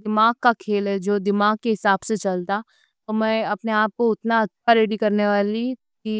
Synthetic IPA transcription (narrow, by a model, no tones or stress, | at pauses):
d̪ɪmaːɡ̚kakʰeːlɦɛd͡ʒoːd̪ɪmaːɡ̚keɦɪsaːbset͡ʃɐlt̪a | t̪omɛ̃ːɐpneaːp̚koʊt̪naɐt̪ːʃʰaɾeːɽikɐɾneʋaːli | ki